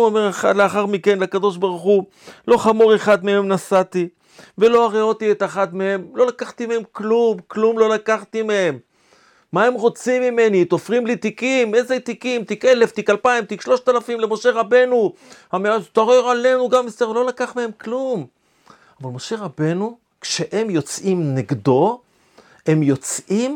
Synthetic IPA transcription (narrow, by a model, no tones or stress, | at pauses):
omeʁaaleaχaʁmike̞nleakad̪o̞ʃbaʁuχu | lo̞χamoʁeχad̪mee̞mnasat̪i | ve̞lo̞aʁeo̞t̪iet̪aχad̪mehe̞mlo̞lakaχt̪imehemklumklumlo̞lakaχt̪imeemː | aemʁo̞t͡simime̞nit̪ofʁimlit̪ikimezet̪ikimt̪ikeleft̪ikalpaimt̪ikʃlo̞ʃt̪alafimlemo̞ʃe̞ʁabe̞nuhameat̪oʁeʁale̞nuɡamist̪eʁlo̞lakaχmehe̞mklum | avalmo̞ʃe̞ʁabe̞nu | kʃeʔemjo̞t͡sʔimneɡd̪o̞ | e̞mjo̞t͡sʔim